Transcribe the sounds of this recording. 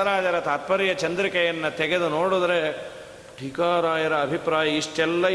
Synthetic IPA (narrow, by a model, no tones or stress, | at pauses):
ɐɾaːd͡ʒɐɾɐt̪aːt̪̚pɐɾijɐt͡ʃɐnd̪ɾikɐjɐnːɐt̪ɛɡe̞d̪unoːɽud̪ɾe | ʈikaːɾaːjɐɾɐːbʱipɾaːjɐiʂʈɛlːɐ